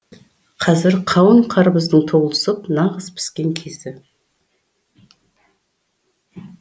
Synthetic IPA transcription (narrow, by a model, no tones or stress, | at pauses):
qʰɑzɪɾqʰɑwəɴqʰɑɾəbəzd̪əɴt̪ʰoʁlˠəsəpnɑʁəzpʰɪ̥skʲe̞ŋkʲʰe̞zd̪ɪ